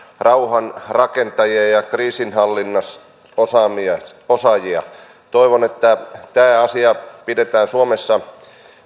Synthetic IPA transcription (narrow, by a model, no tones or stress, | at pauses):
rɑuhɑnrɑkent̪ɑjiɑjɑkriːsinhɑlːinːɑs | osɑmiɑosɑjiɑ̰ | t̪oiʋonet̪ːæt̪æːɑsiɑpidet̪æːnsuomesːɑ